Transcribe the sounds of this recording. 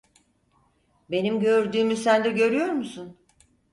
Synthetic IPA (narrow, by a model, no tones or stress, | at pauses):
be̞nimɟø̞ɾd̪yːmysænd̪ɛɟø̞ɾyjo̞ɾmusun